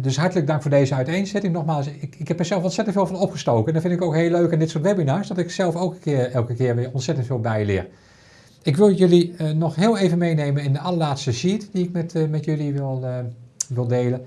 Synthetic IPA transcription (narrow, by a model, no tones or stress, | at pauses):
døsɦɑɹtələɡ̚dɑŋkfʊːɹdejzəœɥtejnsɛtɪŋnɔxmaːlˠsɪɪkɦɛpɛsɛlˠfɔnsɛtən̩tfeːlˠfɑnɔpχəstowkəɛndaɹfɪndɪkowkɦelːøɥkɪndɪtsʊːɹtʋɛbinaːɹsdɔtɪksɛlˠfowkəkɪɹɛlˠkəkɪːɹʋɪːɹɔnsɛtəntfɪːlˠbɛjlɪ̰ːɹ | ɪkʋɪlˠjɵlinɔxɦɪːlˠejvənmejnejmənɪndəʔɑlˠəlaːtstəsitdiɪk̚mɛtmɛtjɵliʋɪlˠ | ʋɪlˠdeːlə